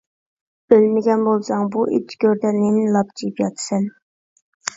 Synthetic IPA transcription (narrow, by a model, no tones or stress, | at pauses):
bølmɪɡʲɛnbolˠsɑŋbuʔḭt͡ʃʰɡʲøɾd̪ɛnenɪlˠɑp̚t͡ʃʰijpjɑt̪ʰɨ̥sɛn